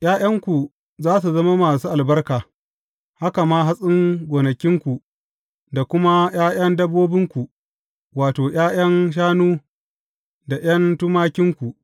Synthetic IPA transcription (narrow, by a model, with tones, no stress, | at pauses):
jaː˦jɐ˦ŋkʷu˨ | zaː˦s̬u˨zɐ˦ma˦maː˨suː˦ʔa˨lbɐ˦rkaː˨ | ha˦ka˨maː˦ɦa˦sʼɪ˦ŋɡʷoː˨nɐ˨kʲɪ˦ŋkʷu˨ | da˨kʷʊ˦ma˦j̰aː˦jɐ˦ndɐ˦bːoː˦bɪ˦ŋkʷu˨ | waː˨toː˨j̰aː˦j̰ɐ˦nʃ̬aː˦nuː˦ | da˨j̰ɐ˦ntu˦maː˦kʲɪ˦ŋkʷu˨ʔ